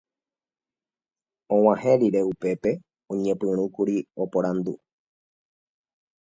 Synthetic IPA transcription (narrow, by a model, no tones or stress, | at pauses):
õw̃ãhẽɾiɾe̞upe̞pe̞ | õɲẽ̞pɨ̃ɾ̃ũkuɾio̞poɾand̪u